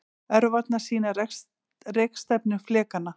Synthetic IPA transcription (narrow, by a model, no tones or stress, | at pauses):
ɛɾʏvat̪nḁsiːnaɾɛ | rekst̪ɛpnʏflɛːkanːa